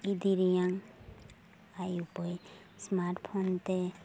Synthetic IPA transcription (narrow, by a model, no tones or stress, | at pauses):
id̪iɾijaŋ | ajupɔj | smaɾʈpʰɔnt̪e